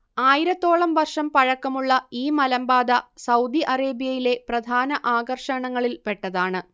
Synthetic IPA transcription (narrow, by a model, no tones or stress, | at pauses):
aːjiɾɐt̪ːo̞ːɭɐmʋɐrʂɐmpɐɻɐkːɐmuɭːɐiːmɐlɐmbaːd̪ɐsɐwd̪iʔɐreːbijɐjile̞prɐd̪ʱaːnɐʔaːɡɐrʂɐɳɐŋːɐɭilpe̞ʈːɐðaːɳɨ